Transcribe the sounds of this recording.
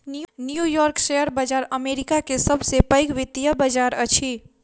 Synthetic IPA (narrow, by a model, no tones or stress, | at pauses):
nnjujɔɾksejəɾbəd͡ʒaɾəmeɾikakesəbʱsepəjkʋit̪jəbəd͡ʒaɾət͡ʃʰi